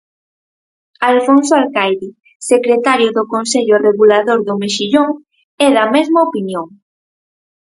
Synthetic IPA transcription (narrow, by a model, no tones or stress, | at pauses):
alfonsoalkajðɪ | sekɾet̪aɾjʊðʊkonseʎʊreɣulaðoɾðʊmeʃiʎoŋ | ɛðɐmɛzmɐopinjoŋ